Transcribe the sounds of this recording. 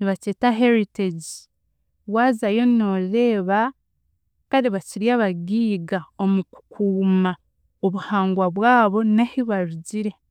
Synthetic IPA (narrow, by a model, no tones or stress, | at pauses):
niβaceːtaɦeɾiteɟi | waːzajo̞no̞ːɾe̞ːβa | kaɾiβaciɾjaːβaɡiːɡao̞muku̥kʰuːma | oβuhaːŋɡwaβwaːβo̞nahiβaɾuɟiɾe̞